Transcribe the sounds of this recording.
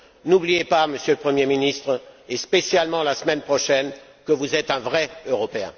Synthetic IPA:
nublijepaməsjøləpχəmjeminist̪χespesjalmɑ̃lasmɛnpχɔʃɛn | kəvuzɛt̪ɛ̃vʁɛøʁɔpeɛ̰̃

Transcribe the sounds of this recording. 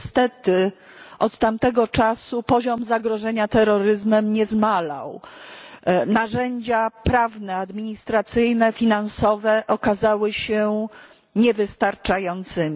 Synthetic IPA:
st̪ɛt̪ɘ | ʔɔt̪t̪ːamt̪ɛɡɔt͡ʂasupɔʑɔmzaɡɾɔʐɛɲat̪ɛɾɔɾɘzmɛmɲɛzmala̰w | naʐɛɲd͡ʑapɾavnɛad̪mʲiɲist̪ɾat̪sɘjnɛfʲinansɔvɛʔɔkazawɘɕɛ | ɲɛvɘst̪aɾt͡ʂajɔnt̪sɘmʲi

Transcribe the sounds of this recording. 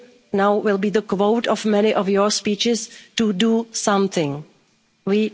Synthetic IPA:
nawwɪlˠbiːðəkwoʊtɔvmɛnɪʔɔfjɔ˞spiːt͡ʃɪstudusʌ̃mθɪ̃ŋ | wiː

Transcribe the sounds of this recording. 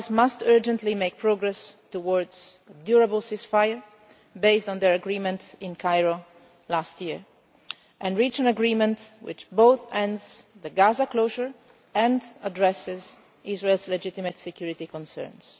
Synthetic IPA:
smastɜ˞d͡ʒə̃nt̪limeɪk̚pʰɹɔɡɹɛstuwɔɹdz̥ədjuɹabəlsɪsfajəɹ | beɪstɔ̃nd̪əɹaɡɹimɛ̃ntɪ̃nkʰajɹo | lastjiɹ | ʔɛ̃nɹit͡ʃæ̃nəɡɹimɛ̃ntwɪ̰t͡ʃboʊθɛ̃ndzðəɡazakloʒəɹ | ɛ̃ndadɹɛsɛz | izɹelzlɛd͡ʒɪt̪imət̪sɛkʰjuɹit̪ikɔ̃nsɜ̰ɹns

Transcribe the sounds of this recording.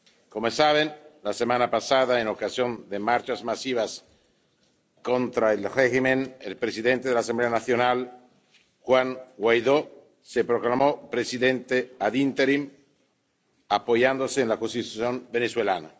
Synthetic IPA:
komosaβenlasemanapasaðaenokasjond̪emaɾt͡ʃazmasiβas | kont̪ɾaelreximenḛlpɾesiðent̪eðelas̬ambleanaθjonal | xwaŋɡwajðo | sepɾoklamopɾesiðent̪eaðint̪eɾim | apojand̪oseːnlakonst̪it̪uθjombeneswelana̰

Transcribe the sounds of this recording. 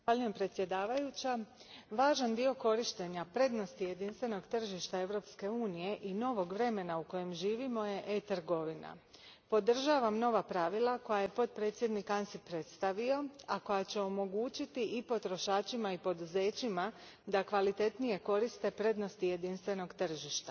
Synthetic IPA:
xʋaʎuje̞mpɾe̞t̪sje̞d̪aːʋajut͡ɕaʋaːʒand̪io̞ko̞ɾiʃt̪e̞ɲapɾe̞d̪no̞st̪ije̞d̪inst̪ʋe̞no̞ɡt̪r̩ʒiʃt̪ae̞ʋɾo̞pske̞uːnije̞ʔino̞ʋo̞ɡʋɾe̞me̞nauko̞je̞mʒiːʋimo̞je̞ʔet̪rɡo̞ʋina̰ | po̞d̪r̩ʒaʋamno̞ʋapɾaʋilˠako̞jaje̞po̞t̪̚pɾe̞ːt̪sje̞d̪nikansipɾet̪st̪aʋio̞ako̞jat͡ɕe̞o̞mo̞ɡuːt͡ɕit̪iʔipo̞t̪ɾo̞ʃaːt͡ɕimaipo̞d̪uze̞ːt͡ɕima | d̪akʋalit̪e̞t̪nije̞ko̞ɾist̪e̞pɾe̞d̪no̞st̪ije̞d̪inst̪ʋe̞no̞ɡt̪r̩ʒiʃt̪ḁ

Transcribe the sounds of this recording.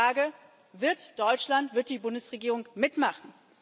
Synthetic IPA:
aːɡə | vɪɐtd̥ɔʏt͡ʃlantv̥ɪɐt̚d̥iːbʊndəsʁeɡiːʁʊŋmɪtmaχn̩

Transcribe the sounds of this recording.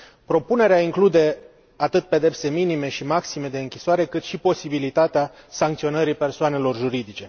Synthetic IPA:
pɾo̞pune̞ɾeaiŋklud̪e̞ | at̪ɨt̪̚pe̞d̪e̞pse̞minime̞ʃimaksime̞d̪e̞ɨŋkʲisoaɾe̞kɨt̪ʃipo̞sibilit̪at̪ea | saŋk̚t̪sio̞nəɾipe̞rsoane̞lo̞rʒuɾid̪it͡ʃe̞

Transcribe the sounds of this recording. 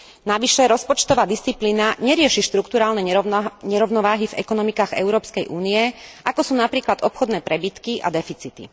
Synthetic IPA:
naʋiʃɛɾɔspɔt͡ʃt̪ɔʋaːd̪ist͡sipliːnaɲɛɾɪɛʃiʃt̪ɾukt̪uɾaːlnɛɲɛɾɔʊnɔʋaːɦivɛ̰kɔnɔmikaːɣɛ̰ʊɾɔːpskɛjʔuːnijɛakɔsuːnapɾiːklad̪ɔpxɔd̪nɛːpɾɛbit̪kiʔa̰d̪ɛfit͡sit̪ḭ

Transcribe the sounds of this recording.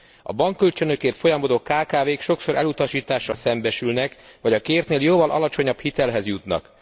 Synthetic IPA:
ɒ̰bɒŋkːølt͡ʃønø̞keːrt̪fo̞jɒmod̪okːaːkaːveːkʃo̞kso̞ɾɛlut̪ɒʃiːt̪aːʃːɒlsɛmbɛʃylnɛkvɒɟɒkeːrt̪neːljoːvɒlʔɒ̰lɒt͡ʃo̞ɲɒbhit̪ɛlɦɛzjut̪nɒ̰k

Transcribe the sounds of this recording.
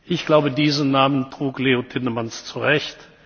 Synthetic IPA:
ʔɪçɡ̥laʊbədiːzənaːməntʁ̥uːkleːotʰɪnəmanst͡suʁɛçt

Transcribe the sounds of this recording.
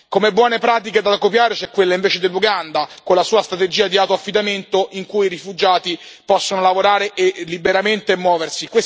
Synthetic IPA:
komebːwɔːnepɾaːt̪̬iked̪akopjaːɾet͡ʃɛkːwelːaiɱveːt͡ʃed̪elːuɡand̪akolːasuːast̪ɾat̪ed͡ʒiːad̪iawt̪oafːid̪ament̪oʔiŋkujiɾifud͡ʒaːt̪ipɔsːonolavoɾaːɾeʔelːibeɾament̪eːmːwɔːversikwes

